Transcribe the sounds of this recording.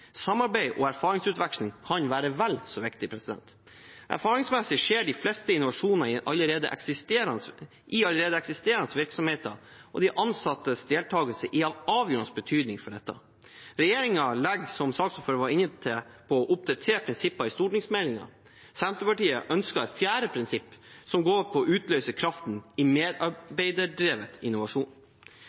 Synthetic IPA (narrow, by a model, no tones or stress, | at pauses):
sɑmːɑɾbæɪʔɔæɾfɑːɾɪŋsʉːt̪ʋækslɪŋkʰɑnʋæːɾəʋælsɔʋɪkt̪ɪpʰɾɛsɪd̪ɛ̰nt̪ | ʔæ̰ɾfɑːɾɪŋsmɛsɪʂeːɖɪflɛst̪əɪnʊʋɑʂuːnɑɪʔɑlːəɾeːd̪ə̰ʔɛ̰ksɪst̪eːɾɑn | ʔɪɑləɾeːd̪əɛksɪst̪eːɾɑnəsʋɪɾksɔmheːt̪ə̰ɔ̰d̪ɪʔɑnsɑt̪ːəsd̪eːlt̪ʰɑːɡəlsəʔɪɑʋʔɑːʋjøːɾənsbət̪ʰyːd̪nɪŋfɔɖɛt̪ːɑ̰ | ɾɛjeːɾɪŋɑlɛɡsɔmsɑːksɔføɾʋɑɾɪnːət̪ʰːɪpʰɔɔʔʊp̚d̪ɑt̪ʰeːpʰɾɪnsɪpːɑɪst̪uːʈɳɪŋsmɛlɪŋɑ̰ | sɛnt̪ɾəpɑʈiːə̰ʔœnskɑfjæːɾəpʰɾɪnsɪpːsɔmɡoːɾpʰɔʔʉːt̪lœʏsəkʰɾɑft̪nɪmeːd̪ɑɾbæɪd̪əɖɾeːʋət̪ɪnːʊʋɑʂuːn